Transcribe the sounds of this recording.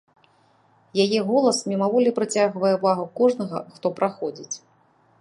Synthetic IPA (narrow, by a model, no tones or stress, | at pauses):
jajɛɣɔlˠɐsmʲimavɔlʲipɾɨt͡sʲaɣvɐjɛvaɣukɔʐnɐɣɐ̰xt̪ɔpɾaxɔd͡zʲit͡sʲ